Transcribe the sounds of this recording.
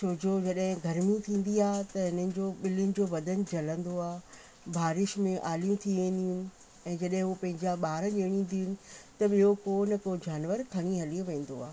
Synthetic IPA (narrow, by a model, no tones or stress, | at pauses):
t͡ɕʰoːd͡ʑod͡ʑɐɗɦɪ̃ɡʱɐɾmĩt̪ʰĩːn̆d̪iaːɦɪt̪ɐɦɪnənɪ̆d͡ʑoːɓɪlɪnɪ̆d͡ʑoːʋɐd̪ʱən̆d͡ʑɐlə̃nd̪oaː | bʱaːɾɪʃmẽʔaːlijũt̪ʰiʋẽːn̆d̪ijʊnɪ̆ | ɛ̃ːd͡ʑɐɗɦɪ̃ɦupɐ̃ɦɪ̃ɲd͡ʑaɓaːɾəʄeːɽ̃ĩnd̪iʊnɪ̆t̪ɐɓiɦokoːnɪ̆kod͡ʑaːnʋəɾkʰɐɽ̃iɦɐliʋẽːn̆d̪oa̰ːɦ